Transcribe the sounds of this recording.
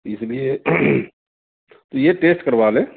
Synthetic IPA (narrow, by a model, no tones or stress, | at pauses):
ɪslie | t̪ojeʈeːsʈkəɾʋaːlẽː